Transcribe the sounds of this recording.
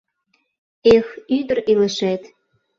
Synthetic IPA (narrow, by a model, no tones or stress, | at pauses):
exyd̪ə̆relə̆ʃæt̪